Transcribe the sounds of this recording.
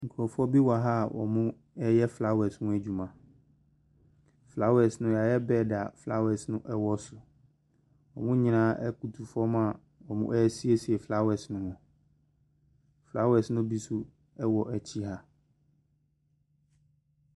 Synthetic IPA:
ŋ̩˨kʰɔ˨fɔ˦bi˦wa˨ɦa˦˨wʔɔ̰˨mʊ̃˦ | ɛ˦jɛ˦fla˦wɛ˨smʊ̃˦æ˨d͡ʑᶣu˨mã˨ | fla˦wɛ˨snʊ̃˦ja˨jɛ˦bɛː˦˨da˨fla˦wɛ˨snʊ̃˦ʔɛ˦wɔ˦sʊ˨ | wɔ˨mʊ̃˦ɲĩ˦nãː˦ʔɛ˦ku˨tʰu˨fɔ˦m˦a˨ | wɔ˨mʊ̰̃˦ʔɛ˦si˦e˦si˨ɛ˨fla˦wɛ˨snʊ̃˦hɔ̃˨ | fla˦wɛ˨snʊ̃˦bi˦sʊ˦ | ɛ˦wɔ˨ʔæ˨t͡ɕʰi˦ɦa˦

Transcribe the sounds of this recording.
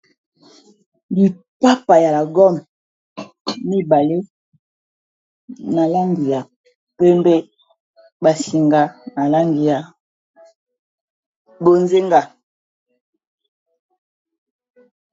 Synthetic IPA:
li˨ | pa˦pa˨ja˨la˨ɡɔ˦˨m | mi˦ba˨le˦ | na˨la˦ŋɡi˨ja˨ | pe˦mbɛ˦ | ba˨si˨ŋɡa˨na˨la˦ŋɡi˨ja˨ | bo˨nze˦ŋɡa˨

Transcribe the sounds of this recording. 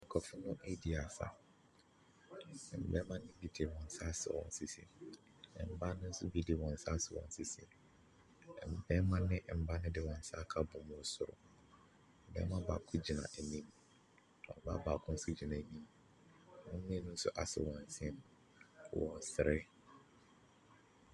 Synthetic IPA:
ŋ̩˨kʰɔ˨fʊ˦nʊ̃˦ʔe˦di˨a˨sa̰˨ | m̩˨bɛ˦mã˦nɪ̃˦bi˦dʰe˨wɔ̃˨n̩˨sa˦sɪ˨wɔ̰̃˨n˨sɪ˦sḭ˦˨ | m̩˨ba˦nʊ̃˦n̩˦sʊ̰˦bi˦de˨wɔ̃˨n̩˨sa˦sɪ˨wɔ̰̃˨n̩˨sɪ˦sḭ˦˨n˨ | m̩˨bɛ˦mã˦nɪ̃˦ʔm̩˨ba˦nʊ̃˦dɪ˦wɔ̃˨n̩˨sa˦kʰa˦bʊ̃˨mʊ̃˦ɔ˨sʊ˨ɾʊ̰˨ | m̩˨bɛ̰˦mã˦ba̰ː˨kʰʊ˦d͡ʑi˨nã̰˨ʔæ˨nĩ˦m˨ | ɔ̰̃˨˦ba̰˦baː˨kʰʊ̃˦n̩˦sʊ˦d͡ʑi˨nã˨ɲĩ˦m˨ | nʊ̃˦m˦mĩ˦nʊ̃˦n̩˦sʊ̰˦ʔa˨sɪ̰˨wɔ̃˨n̩˨sɪ̃˦n˨ | wɔ̃˨n˨sɪ˨ɾʔɪ˦

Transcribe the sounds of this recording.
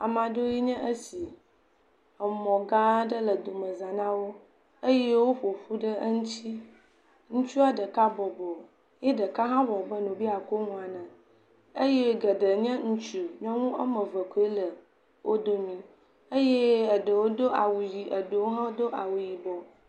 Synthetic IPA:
a̰˨mã˨ɖo˦ji˦ɲɛ̃˦ʔə˦si˨ | ə˨mɔ̃˨ɡã˦ɖə˦lə˨d̪o˨mə̃˨zã˨nã˦wo˦ | ə˦je˦wo˦ɸo˨ɸu˦ɖə˦ŋũ˦t͡ɕi˦ | ŋũ˦t͡ʃu˦a˨ɖə˨ka˦bɔ˨bɔ˨ | jɛ˦ɖə˨ka˦ɦã˦wɔ˨bə˦nũ˨bi˦a˨ko˦ŋũ˦a˨nə̃˨ | ə˦je˦ɡə˨ɖə˨ɲɛ̃˦ŋũ˦t͡ʃu˨ɲɔ̃˦ŋũ˦ə˦mə̃˨və˨ko˨˦i˦lə˨ | wʔo˦d̪o˦mĩ˦ | ə˦je˦ə˨ɖə˨wo˦d̪o˦ʔa˨wu˨ji˨ʔə˨ɖə˨wo˦ɦã˦d̪o˦ʔa˨wu˨ji˨bɔ˨

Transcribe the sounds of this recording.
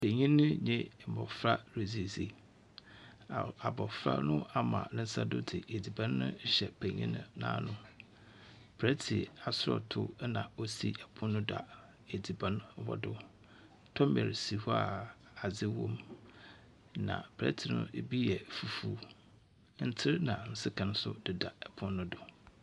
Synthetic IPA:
pʰe˨ɲĩ˦nʊ̃˦ɲẽ˦m̩˨bɔ˨fɾa˦ɾe˨zi˨e˨si˦ | a˨bɔ˨fɾa̰˦nʊ̃˦a˦mã̰˨nɪ̃˦n˦sa˦dʊ˦dɪ˨e˨di˨bã˦n˦nʊ̰̃˦ɕɛ˨pʰẽ˨ɲḭ̃˦nʊ̰̃˦nã̰ː˦nʊ̃˦ | bʰɾɛ˦tʰi˨a˨sʊ˦ɾɔ̰˨tʰʊ̰˦nã˨o˦sḭ˦a˨bʰʊ̃˦nʊ̃˦da̰˨ | e˨di˨bã˦n˦wɔ̰˦dʊ˦ | tʰɔ˦mɛ̰˨ɾsi˨hu˦a̰˨ | a˨d͡zɪ˦wõ˦m | nã̰˨bɾɛ̰˦tʰi˨nʊ̰̃˦bi˦jɛ˨fu˨fuː˦ | n̩˦tʰɪ˦ɾnã˨n̩˦sɪ˦kʰã˨n˦sʊ˦dɪ˨da˨ɛ˨pʰʊ̃˦nʊ̃˦dʊ˨

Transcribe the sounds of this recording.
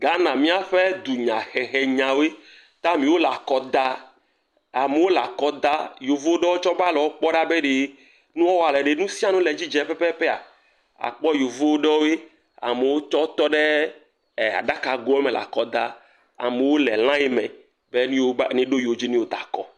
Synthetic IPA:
ɡa˦nã˨mĩ˦a˨ɸe˦d̪u˨ɲã˨xɛ˨xɛ˨ɲã˨we˦ | t̪a˦mĩ˦wo˦la˨kɔ˨d̪a˦ | a˨me˨wo˦la̰˨kɔ˦d̪a˦jo˨vo˦wo˦ɖɔ˦wo˦t͡ʃɔ˦ba˦lɔ˨wo˦k͡pɔ˦ɖa˦be˦ɖe˨ | nũ˦ɔ˦wa˨lɛ˨ɖe˦nũ˦si˦a˦˨nũ˦lɛ˨d͡ʑi˦d͡ʒɛ˦pɛ˦pɛ˦ɸɛ˦a̰˨ | a̰˨k͡pɔ˦jo˨vo˦wo˦ɖɔ˦wo˦e˦ | a̰˨me˨wo˦t͡ʃɔ˦t̪ɔ˦ɖe˦˨ | a̰˨ɖa˦ka˨ɡo˨˦o˦mɛ˨la̰˨kɔ˦d̪a˦ | a̰˨me˨wo˦lɛ˨l̃ã˦je˦mɛ̃˨ | be˦nĩ˦wo˦nĩ˦ɖo˦jo˨d͡ʑi˦nĩ˦wo˦d̪a̰˨kɔ̰˦

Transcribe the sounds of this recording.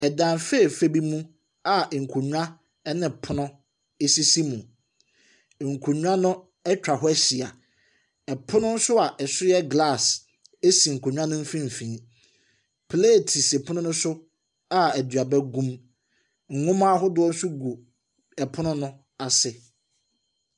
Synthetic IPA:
ɛ˨dã˨nfe˦˨fe˦bi˦mũ˦ | a˨ŋ̩˨kʷʰu˨ɲᶣũ˦ã˦ | ɛ˦nɪ̃˨pʰʊ˦nʊ̃˦ | e˦si˦si˦mũ˨ | ŋ̩˨kʷʰu˨ɲᶣũ˦ã˦nʊ̃˦ | ɛ˦t͡ɕᶣa˨ɦʊ˦æ˦ɕi˨a˨ | ɛ˨pʰʊ̃˦nʊ̃˦n̩˦sʊ˦a˨ʔɛ˨sʊ˦jɛ˦ɡla˦˨s | e˦si˨ŋ̩˨kʰo˨ɲ̃ᶣ˦ã˦nʊ̃˦m̩˦fĩ˦m̩˨fĩ˨˦ | pʰle˦˨tʰi˨se˨pʰʊ˦nʊ̃˦nʊ̃˦sʊ˦ | a˨æ˨dɥa˨bɛ˦ɡũ˦m | ŋ̩˨ŋʊ̃˦mã˦ɦʊ˦dʊ˦ɔ˦n̩˦sʊ˦ɡu˨ | ɛ˨pʰʊ˦nʊ̃˦nʊ̃˦ | a˨sɪ˨

